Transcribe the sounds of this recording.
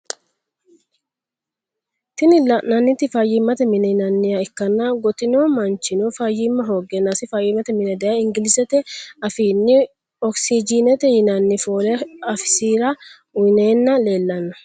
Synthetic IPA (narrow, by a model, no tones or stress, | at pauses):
t̪ɪnɪlɐnɐnːɪt̪ɪfɐjːimːɐt̪ɛmɪnɛnɐnːɪjɐɪkːɐnːaɡɔt̪ɪnomɐnt͡ʃɪnofaːjimːɐɦo̞ːɡɛnːɐsɪfaːjɪmːɐt̪ɛmɪnɛd̪ɛjaɪŋɡɪlɪsɛt̪ɛɐfinːɪ | ɔksid͡ʒinɛt̪ɛhɪnɐnːɪfoːlɛɐfɪ̥siːɾɐ | ʊneːnːɐle̞ːlːɐnːɐ